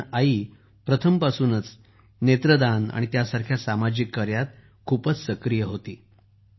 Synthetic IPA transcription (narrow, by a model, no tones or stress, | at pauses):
ai | pɾət̪ʰəmpasuːnət͡s | net̪ɾəd̪ana̰ɽ̃it̪jasaɾkʰjasamad͡ʑikːəɾjat̪̚ | kʰuːpət͡ssəkɾijəɦot̪iː